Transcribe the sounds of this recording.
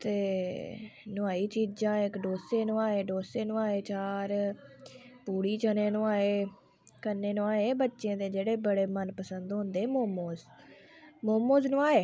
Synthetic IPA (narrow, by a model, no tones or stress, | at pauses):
t̪eː | nʊaːiːt͡ʃiːd͡ʒãːɪkɖoːseːnũːaːeːɖoːseːnũːaːeːt͡ʃaːɾ | puːɽiːt͡ʃənẽːnʊ̃ːaːeː | kənːeːnõaːeːbətːʃẽːd̪eːd͡ʒeːɽeːbəɽeːmənpəsənd̪ɦʊ̃nd̪eːmoːmoːz | moːmoːznũːaːeː